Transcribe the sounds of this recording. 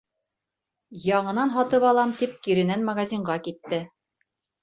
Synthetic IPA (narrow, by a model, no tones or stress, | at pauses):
jɑɴɤ̆nɑnɦɑt̪ɤpɑlˠɑmt̪ip̚kiɾɘ̆nænmɐɡazʲiɴɢɑkit̪ːɘ